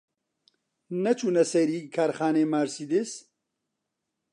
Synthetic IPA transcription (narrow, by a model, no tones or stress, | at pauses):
nɐt͡ʃʰuːnɐsɐɾiːkʰaːɾxaːneːmaːɾsid̪ɪs